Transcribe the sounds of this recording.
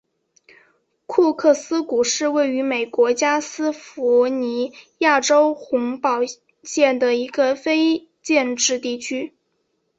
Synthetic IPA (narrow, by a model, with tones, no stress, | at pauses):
kʰu˥˧kʰɤ˥˩sɹ̩˥ku˨˩ʂɻ̩˥˧we˥˩ɪy˧˥me˨˩ɪkwɔ˧˥t͡ɕja˥sɹ̩˥fu˧˥ni˧˥ja˥˩ʈ͡ʂo˥ʊxʊ˧˥ŋpɑ˨˩ʊ | ɕjɛ˥˩nd̪ə˩i˧˥ɡə˧fe˥ɪ | t͡ɕjɛ˥˧nʈ͡ʂɻ̩˥˧t̪i˥˩t͡ɕʰy˥